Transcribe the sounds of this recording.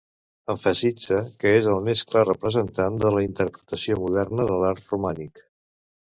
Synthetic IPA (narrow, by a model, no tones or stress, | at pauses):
əɱfəsid͡zəkəezəlˠmesklarəpɾəzənt̪and̪ələint̪əɾpɾət̪əsiomuðɛrnəðəlaɾt̪rumanik